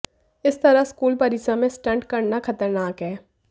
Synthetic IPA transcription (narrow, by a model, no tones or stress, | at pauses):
ɪst̪ɐɾaskuːlpɐɾiːsamẽsʈə̃ɳʈkɐɾnakɐt̪əɾnaːkɦɛː